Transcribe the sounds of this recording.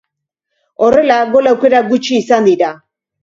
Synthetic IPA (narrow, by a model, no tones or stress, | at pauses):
orelaɡolawkeɾaɡut͡ʃiːsand̪iɾa